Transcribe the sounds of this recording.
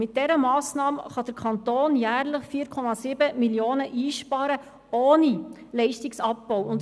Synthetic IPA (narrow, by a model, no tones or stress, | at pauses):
mɪt̚d̥ɛɾəmɑːsnɑːmχɑd̥əɾkʰɑnt̪oːnjæːɾləχfiːɾkʰɔmɑsɪbəmiljoːnəʔiːʃpɑɾə | oːni | lɛɪʃtɪksɑpːɔwʊnd